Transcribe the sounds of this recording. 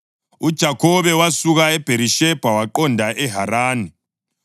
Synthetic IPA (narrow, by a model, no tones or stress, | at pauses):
ud̥ʒ̥ʱakʰɔβɛwasuɣaɛb̥ʱeɾiʃɛb̥ʱawaǃɔndʱaʔɛɦaɾaːni